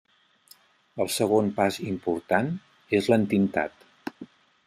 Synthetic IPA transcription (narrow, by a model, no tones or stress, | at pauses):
əlˠsəɣ̞onpazimpuɾt̪an | ezlənt̪int̪a̰t̪